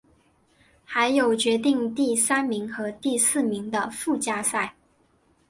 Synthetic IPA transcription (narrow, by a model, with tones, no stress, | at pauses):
xa˧˥ɪjo˨˩ʊt͡ɕɥɛ˧˥t̪i˥˧ŋt̪i˥˩sa˥nmi˧˥ŋxɤ˧˥t̪i˥˧sɹ̩˥˩mi˧˥ŋd̪ə˧fu˥˩t͡ɕja˥sa˥˩ɪ